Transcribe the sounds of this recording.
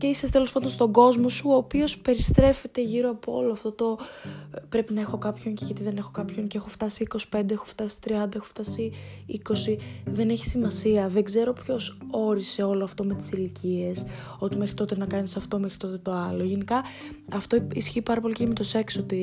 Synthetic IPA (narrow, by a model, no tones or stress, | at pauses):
ceisɐst̪elo̞spɐnd̪onst̪o̞ɡo̞zmo̞suopio̞spe̞ɾist̪ɾe̞fe̞t̪e̞ʝiɾoɐpoo̞̰loɐft̪o̞t̪o̞ | pɾe̞pinɐe̞xo̞kɐpço̞ŋceʝɐt̪iðe̞ne̞xo̞kɐpço̞ŋceexo̞ft̪ɐsiiko̞si̥pe̞nd̪e̞exo̞̥ft̪ɐsi̥t̪ɾiɐnd̪ɐexoft̪ɐsi | iko̞siðe̞neçi̥simɐsiɐðeɡze̞ɾo̞pço̞so̞ɾise̞o̞loɐft̪o̞me̞t̪i̥silicie̞s | o̞t̪ime̞xɾit̪o̞t̪enɐkɐnisɐft̪o̞mexɾit̪o̞t̪e̞t̪o̞ɐlo̞ʝe̞nikɐ | ɐft̪o̞isçiːpɐɾɐpo̞licemet̪ose̞ksot̪i